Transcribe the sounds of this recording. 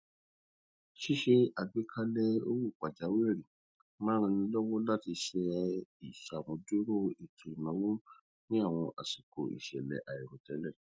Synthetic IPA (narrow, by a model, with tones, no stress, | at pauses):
ʃi˦ʃe˧a˨ɡ͡bi˨˦kʰa˦lɛ˦o̰˧wu˦˨k͡pa˨d͡ʒa˨˦we˦ɛ˦˨ɾi˨ | mã˦ɾ̃ĩ˧nĩ˧˦lɔ˦wɔ̃˦la˦ti˧ʃɛ˧i˨ʃa˨mõ˨˧˦du˦ɾo˦˨i˨tʰũ˨i˨nã˨˦wu˦ | nĩ˦a˦˨w̃ɔ̃˧ʔa̰˨si˨ko̰˨ḭ˨ʃɛ̰˨lɛ̰˨ʔa˨i˨ɾo˨tɛ˨˦lɛ˦˨